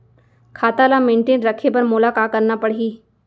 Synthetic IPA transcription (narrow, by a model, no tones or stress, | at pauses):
kʰat̪alameɳʈeːnɾəkʰepəɾmolakakəɾnapəɽɦiː